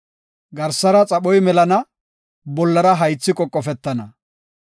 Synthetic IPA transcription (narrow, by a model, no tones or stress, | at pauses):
ɡɐɾsɐɾɐt͡sʼɐɓɔjmɛlɐnɐ | bɔlːɐɾɐɦɐjt͡sːɪkʼɔkʼːɔfɛt̪ːɐnɐ